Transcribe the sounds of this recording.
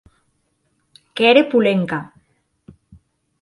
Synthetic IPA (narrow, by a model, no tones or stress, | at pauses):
keɾepuleŋka